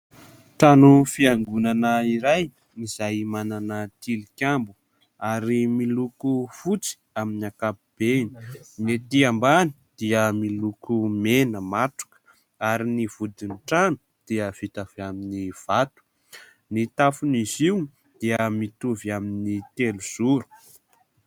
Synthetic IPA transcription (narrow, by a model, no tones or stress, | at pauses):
ʈ͡ʂanufiaŋɡunanəiɾaj | niz̥ajmananət̪ilikʲambu̥ | aɾimilukufut͡si̥ | aminiakapib̥eni̥net̪iambani̥d̪̥iəmilukumenəmaʈ͡ʂu̥kə̥ | aɾiniv̥ud̪inʈ͡ʂanu̥ | d̪̥iəv̥it̪avaminiv̥at̪u̥ | nit̪afuniziw | d̪̥iəmit̪uviaminit̪eluz̥uɾu̥